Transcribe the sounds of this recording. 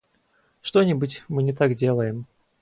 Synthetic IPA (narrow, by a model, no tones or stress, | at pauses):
ʂt̪ɔnʲɪbɨt͡sʲmɨnʲɛt̪aɡd͡zʲelˠəjɪm